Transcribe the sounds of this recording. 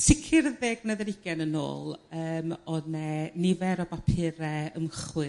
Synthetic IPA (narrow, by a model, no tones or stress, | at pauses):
sɪkʰɪrəðeːɡnəðəɾɪɡ̥ɛnəno̰ːlˠəːmɔnɛnɪvɛɾɔbapʰɪɾɛəmχwɨ